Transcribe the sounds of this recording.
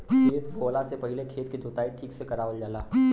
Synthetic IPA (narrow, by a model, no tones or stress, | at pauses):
kʰeːt̪ɡoːlasepɐɦɪlekʰeːt̪̚kid͡ʒot̪aːiʈʰiːksekɐɾaːʋəld͡ʒaːlaː